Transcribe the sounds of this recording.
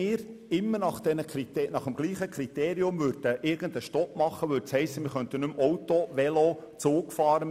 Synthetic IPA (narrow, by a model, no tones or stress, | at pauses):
ɪːɾɪmːənɑχd̪̥ɛnəkʰɾit̪enɑχəmɡ̥liːχəkʰɾit̪eːɾiʊmʋʉɾd̥̪əʔɪːɾɡ̥ənd̥̪əʃtɔpmɑχːəʋʉt͡shɛɪsəmɪːɾχœnt̪ənʉmɔwtoʋɛlot͡suːkfɑːɾə